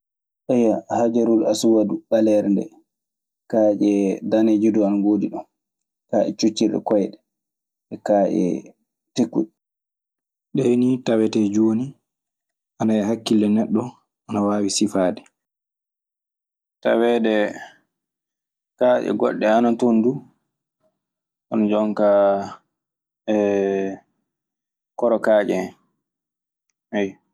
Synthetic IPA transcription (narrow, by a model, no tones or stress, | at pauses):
ʔajahad͡ʒaɾulasuwaduɓalɛɾndɛ̰ | kad͡ʒɛdaned͡ʒiduanaɡoːdiɗɔn | kaʔɛ̰t͡ʃut͡ʃːiɾɗɛ̰kɔjɗɛ | ʔɛkaʔɛ̰ | tekːṵɗ | ɗɛhenitawɛtɛd͡ʒoni | ʔanaɛɦakːilːɛnɛɗːɔ | ʔanawaːwisifaːdɛ | tawɛdɛ | kaʔɛ̰ɡɔ̰ɗːɛanatondu | ʔɔnɔd͡ʒɔŋka | ɛ | kɔɾɔkaːd͡ʒɛ | haj